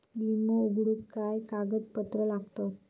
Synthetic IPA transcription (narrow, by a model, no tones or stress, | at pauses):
limouɡɽutkajkaɡət̪pət̪ɾəlaɡt̪o